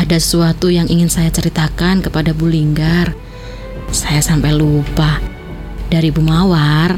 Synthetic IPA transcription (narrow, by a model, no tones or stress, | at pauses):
adasə̥suat̪ujaŋʔiŋɪnsajat͡ʃəɾit̪akankəpadabuliŋɡar | sajasampajlupah | daɾibumawar